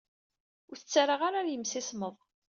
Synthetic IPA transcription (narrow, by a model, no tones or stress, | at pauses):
ʊɾθət͡sːaɾaʁaɾaɾjəmsɪsməðˤ